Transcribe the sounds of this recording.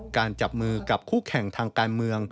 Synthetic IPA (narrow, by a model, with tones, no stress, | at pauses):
kaː˧nt͡ɕa˨˩p̚mɯː˧ka˨˩p̚kʰuː˥˩kʰɛ˨˩˦ŋt̪ʰaː˧ŋkaː˧nmɯ˧əŋ